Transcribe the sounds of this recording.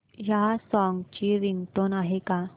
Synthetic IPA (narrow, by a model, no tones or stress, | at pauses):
jasɔŋɡt͡ɕiɾint̪onaɦeka